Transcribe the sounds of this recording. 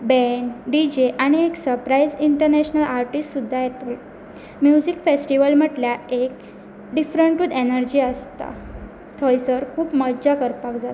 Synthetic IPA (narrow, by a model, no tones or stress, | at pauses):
bɛɳɖid͡ʑeʔaɽ̃ieksəɾpɾaiziɳʈəɾnɛɕnəlaɾʈisʈsud̪ʱːajɛt̪ol | mjud͡zikfesʈiʋəlm̤əʈljaek̚ | ɖifɾəɳʈʋid̪enəɾd͡ʑiːəst̪a̰ | t̪ʰɔjsəɾkʰuːpməd͡ʑakəɾpakd͡zat̪